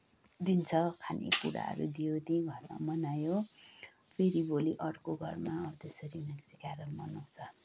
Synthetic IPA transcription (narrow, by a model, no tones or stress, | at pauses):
d̪int͡sʰʌkʰanʔḭkuɾa̰ɦʌ̰ɾṵd̪ijot̪iɡʱʌrma̰mʌnajo | pʰeɾiboliʔʌrkoɡʱʌrmaʌt̪esʌɾiunakt͡sikaɾʌnmʌnaw̃t͡sʰʌ